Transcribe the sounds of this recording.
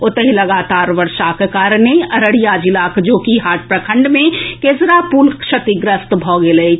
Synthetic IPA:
ot̪əɦiləɡat̪aɾʋəɾʃakekaɾneəɾəɽijad͡ʒilakd͡ʒokiɦaʈ̚pɾəkʰəɳɖmẽkeːsɾapulkʃət̪iɡɾəst̪bʱɔɡelə

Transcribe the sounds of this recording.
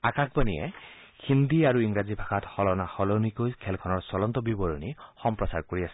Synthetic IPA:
akak̚banijɛ̰ | xind̪iaɹuiŋɹazibʱaɡatxɔlɔnaxɔlɔnikojkʰɛlkʰɔnɔɹsɔlɔntɔbibɔɹɔnixɔmpɹɔsaɹkoɹiasɛ̥

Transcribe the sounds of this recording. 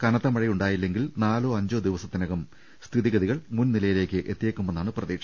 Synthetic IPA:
kɐnɐðɐmɐɻijuɳɖaːjilːe̞ŋɡilnaːloːɐɲd͡ʑo̞ːd̪iʋɐsɐt̪ːinɐɣɐm | st̪ʰiðiɣɐðiɣɐɭmunnilɐjile̞ːkʲːɨʔet̪ːijeːkːumːenːaːɳɨprɐðiːkʂɐ̥

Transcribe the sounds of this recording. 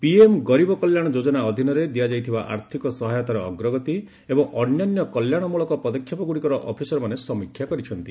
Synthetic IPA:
piemɡɔɾibɔkɔljaɽ̃ɔd͡ʒod͡ʒɔnaɔd̪ʱinɔɾed̪ijad͡ʒajt̪ʰibaʔa̰ɾt̪ʰikɔsɔɦajɔt̪aɾɔːɡɾɔɡɔt̪i | ebɔŋɔnjanjɔkɔljaɽ̃ɔmuɭɔkɔpɔd̪ɔkʰjapɔɡuɽikɔɾɔʔɔpʰisɔɾɔmanesɔmikʰjakɔɾit͡ʃʰɔnt̪i

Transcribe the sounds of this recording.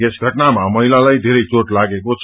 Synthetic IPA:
esɡʱʌʈnamamʌɦilalajd̪ʱeɾʌjt͡soʈlaɡekot͡sʰ

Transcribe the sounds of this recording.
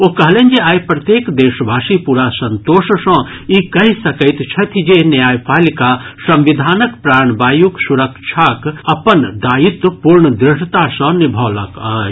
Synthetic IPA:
okɐɦleːnd͡ʒeaːjpɾɐt̪jeːkd̪eːʃbʱaːʃipuːɾasɐ̃nt̪oːʃsɐ̃ | ikɐɦisɐkəɪt̪t͡ʃʰɐt̪ʰid͡ʒenjaːjpaːlikasɐ̃mʋid̪ʱaːnəkpɾaːɳbaːjuksuɾəkʃʰaːkɐpənd̪aːjit̪puɾɳəd̪ɾɪʂʈt̪asɐ̃nibʱɔːlɐka

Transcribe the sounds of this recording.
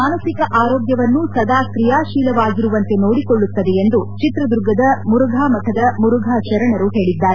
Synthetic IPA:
maːnɐsikɐʔaːɾoːɡjɐʋɐnːusɐd̪aːkɾijaːʃiːlɐʋaːɡiɾuʋɐnt̪e̞noːɽikoɭːut̪ːɐd̪eend̪ut͡ʃit̪ɾɐd̪uɾɡɐd̪ɐmuɾuɡʱaːmɐt̪ʰɐd̪ɐmuɾuɡʱaːt͡ʃɐɾɐɳɐɾuɦe̞ːɭid̪ːaːɾe

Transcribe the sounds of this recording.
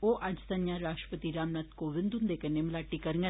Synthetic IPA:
oːʔɐd͡ʒt̪ɐnjãɾaːʃʈɾəpət̪iɾaːmnat̪koːʋɪ̃nd̪und̪ekənemlaːʈːikɐɾŋɡə

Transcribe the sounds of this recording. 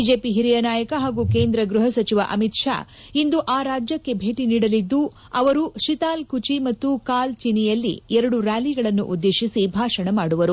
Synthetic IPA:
id͡ʒeːpiɦiɾijɐnaːjɐkɐɦaːɡukeːnd̪ɾɐɡɾuɦɐsɐt͡ʃiʋɐ̰ʔɐmit̪ʂa̰ː | ind̪uʔaːɾaːd͡ʒjɐkːe̞bʱe̞ːʈiniːɽɐlid̪ːu | ɐʋɐɾuʃit̪aːlkut͡ʃimɐt̪ːukaːlt͡ʃinijɐlːḭɛɾɐɽuɾaːliɡɐɭɐnːṵʔud̪ːeːʃisibʱaːʂɐɳɐmaːɽuʋɐɾu

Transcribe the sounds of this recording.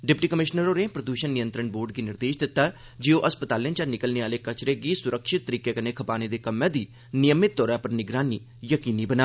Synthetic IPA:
ɖɪpʈiːkəmɪʃnəɾoːneːpɾəd̪uːʃənːɪjənt̪ɾəɳboːɾɖɡiːnɪɾd̪eːʃd̪ɪt̪ːaː | d͡ʒeːõːʔəspət̪aːljə̃ːt͡ʃaːnɪkəlneːaːleːkət͡ʃɾeːɡiːsʊɾəkʃɪt̪ːəɾiːkeːkəneːkʰəpaːneːd̪eːkəmːɛ̃ːd̪iː | nɪjəmːɪt̪̚ːɔːɾãːpəɾnɪɡɾaːniː | jəkiːniːbənaː

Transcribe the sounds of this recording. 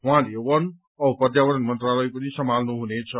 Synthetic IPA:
ɦw̃ãlewʌn | ʌpʌd̪jaʋʌɾʌnmʌnt̪raləjpʌnisʌmʱalnuɦunet͡sʰʌ

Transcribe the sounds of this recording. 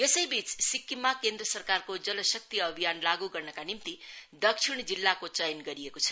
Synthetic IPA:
jesʌjbit͡ssikːimːakend̪rʌsʌrkarkod͡zʌlʌsʌk̚t̪iʌbʱijanlaɡuɡʌrnʌkanimt̪id̪ʌkʂʰiɽ̃d͡zilːakot͡sʌjnɡʌɾiekot͡sʰʌ̥

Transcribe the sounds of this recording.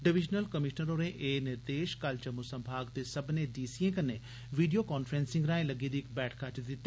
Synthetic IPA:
ɖɪʋɪd͡ʒnəlkəmɪʃnəɾoːɾẽːʔeːnɪɾd̪eːʃkəld͡ʒəmːusə̃mbʱaːɡd̪eːsəbnẽːd̪iːsiːẽːkənːeː | ʋiːɖijoːkaːnfʰɾɛ̃ːnsɪ̃ŋɡɾãːẽləɡiːd̪iːɪkbɛːʈʰkʰat͡ʃd̪ɪt̪ːaː

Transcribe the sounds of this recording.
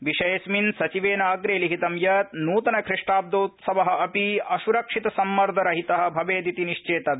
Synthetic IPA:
ʋiʃɐjɐsminsɐt͡ʃiʋeːnaːɡɾeːliɦit̪ɐmjɐt̪nuːt̪ɐnɐkʰɾiʂʈɾaːb̚d̪oːt̪sɐʋɐɦɐ̆ɐpiɐʃuɾɐkʂit̪ɐsɐmːɐɾd̪ʱɐɾɐɦit̪ɐɦɐ̆bʱɐʋeːd̪it̪iniʂt͡ʃeːt̪ɐ

